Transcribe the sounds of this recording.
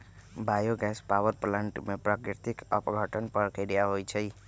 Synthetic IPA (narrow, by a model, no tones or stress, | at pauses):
bʱajoɡɛspawəɾplaɳʈmepɾakɾit̪ikəpɡʱəʈənpəɾkəɾijaɦojt͡ʃʰəj